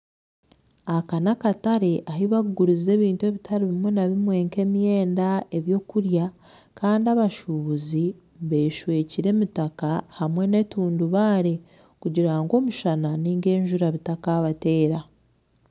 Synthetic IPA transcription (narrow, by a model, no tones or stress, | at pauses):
akanakataɾe̞ʔaɦiβaɡɡuɾize̞ːβiːntue̞βitʰaɾiβimwenaβimwe̞ːŋke̞mijeːndae̞βjo̞ːkuɾja | kaːndiaβaʃuβuzi | βe̞ʃwe̞ːciɾe̞mitakahamwe̞ne̞tuːnduβaːɾe̞ | kuɟiɾaŋɡo̞ːmuʃananiːŋɡe̞ːɲʒuɾaβitakaːβate̞ːɾa